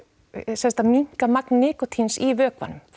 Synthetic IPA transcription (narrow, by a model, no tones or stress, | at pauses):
sɛnst̪amiŋ̥kamaknːɪːkɔt̪ʰinsivœːkva̰nʏm